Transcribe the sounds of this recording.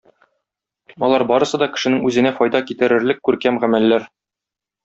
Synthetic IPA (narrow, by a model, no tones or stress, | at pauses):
ɒlˠɑɾbɒɾɤ̆sɤd̪ɒkɘ̥̆ʃɘ̆nɘŋʉzɘ̆næfɒjd̪ɑkit̪ɘ̆ɾɘ̆ɾlɘkːʉɾkæmʁæmælːæɾ